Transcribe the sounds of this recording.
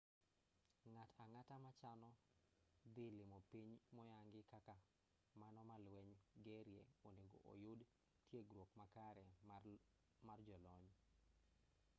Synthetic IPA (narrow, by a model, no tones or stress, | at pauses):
ŋatʰaŋatamat͡ʃanɔ | d̪ɪlɪmɔpiɲmɔjaŋɡɪkaka | manɔmalwɛɲɡeɾjeoneɡo̰ʔo̰jʊd | tjeɡɾwokmakaɾɛ | mard͡ʒɔlɔɲ